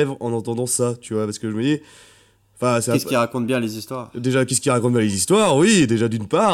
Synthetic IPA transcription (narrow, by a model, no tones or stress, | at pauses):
ɛvʁɑ̃nɑ̃t̪ɑ̃d̪ɑ̃sat̪yvwapaʁsə̥kəʒəməd̪i | ɑ̃fɛ̃sɛɛsiʁakɔ̃t̪̚bjɛ̃lezist̪waʁd̪eʒakʲɛskʲiʁakɔ̃t̪̚bjɛ̃lezist̪waʁwid̪eʒad̪ynpa